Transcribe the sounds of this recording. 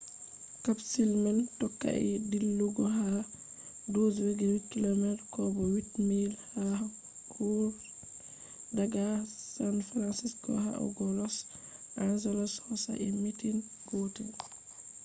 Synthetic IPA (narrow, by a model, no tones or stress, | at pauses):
kabsilmantɔkːa̰ʔɛdilːuɡɔɦa | dod͡ʒwɛɡɛwitkilomɛɾkɔbɔwitmilha | kʰo | daɡasanfɾansisɡɔ̰ɦa̰ɔ̰ɡɔlɔs | ʔand͡ʒɛlɔshɔsa̰ʔɛmitin | ɡ̥otin